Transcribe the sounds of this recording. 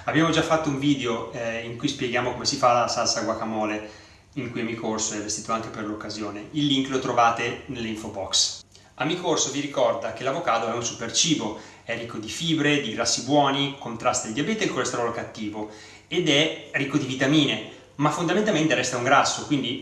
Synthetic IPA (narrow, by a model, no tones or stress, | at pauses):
abːjaːmod͡ʒafːat̪ːouɱviːd̪eoiŋkujspjeɡjaːmokomesifalasalsaɡwakamɔːle | iŋkujamikʰorsoɛvːest̪iːt̪oaŋk̟eperlokːazjoːneilːiŋklot̪ɾovaːt̪enelːeiɱfobɔks | amːikorsoviɾikɔrd̪ak̟elːavokaːt̪oɛunsupert͡ʃiːbo | ɛrikːod̪ifiːbɾed̪iɡɾasːibwɔːnikont̪ɾast̪ald̪iabɛːt̪elkolest̪eɾɔlokat̪ːiːvo | ed̪ɛrikːod̪ivit̪amiːne | mafːond̪ament̪alment̪eɾɛst̪auŋɡɾasːokwind̪i